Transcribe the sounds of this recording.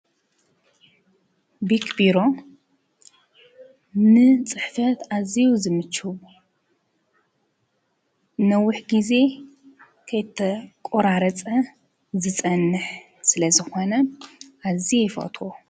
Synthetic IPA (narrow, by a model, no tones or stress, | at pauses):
bikʰbiɾo̞ | nɨt͡sʼɨħfɐt̪ʔaziwuzɨmɨt͡ʃɨwu | nɐwːʊħɡize̞ | kʰɐjɪt̪ʰːɐkʼoɾaɾɐt͡sʼɐ | zɨt͡sʼɐnːɨħ | sɨlɐzɨxo̞nɐʔazijɪfɐ̰t̪ʰʼwo